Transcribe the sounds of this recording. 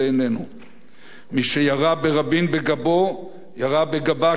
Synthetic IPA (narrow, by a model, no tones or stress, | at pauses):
enenu | miʃejaʁabe̞ʁabinbe̞ɡabo | jaʁabeɡaba